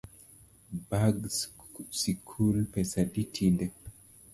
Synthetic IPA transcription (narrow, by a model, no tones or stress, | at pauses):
baɡs | sikʰulpɛsaditʰindɛ